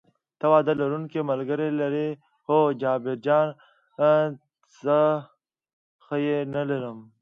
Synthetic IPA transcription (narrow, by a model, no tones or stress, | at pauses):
t̪ɐwaːd̪alɐɾunkemɐlɡəɾelɐɾe | hod͡ʒɑːbeɾd͡ʒɑːn | zə | xəjenɐleɾəm